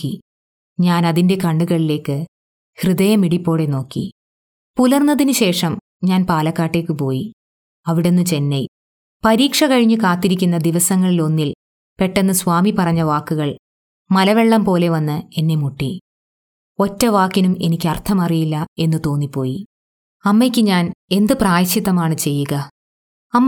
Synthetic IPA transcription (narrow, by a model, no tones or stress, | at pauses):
i | ɲaːnɐðinde̞kɐɳɖuɣɐɭile̞ːkːɨ | hrɨðɐjɐmiɽipːo̞ːɽe̞no̞ːkːḭ | pulɐrnːɐðinɨɕe̞ːʂɐm | ɲaːnpaːlɐkːaːʈːe̞ːkːɨpo̞ːji | ɐʋiɽe̞nːɨt͡ɕe̞nːej | pɐɾiːkʂɐkɐɻiɲːukaːt̪ːiɾikʲːunːɐd̪iʋɐsɐŋːɐɭilo̞nːil | pe̞ʈːe̞nːɨsʋaːmipɐrɐɲːɐʋaːkːuɣɐɭ | mɐlɐʋe̞ɭːɐmpo̞ːle̞ʋɐnːɨe̞nːemuʈːi | o̞tːɐʋaːkːinume̞nikʲːɐrt̪ʰɐmɐrijilːɐe̞nːɨt̪o̞ːnːipːo̞ːji | ɐmːekʲːɨɲaːne̞nd̪ɨpraːjɐɕit̪ːɐmaːɳɨt͡ɕe̞jːuɣɐ | ɐmː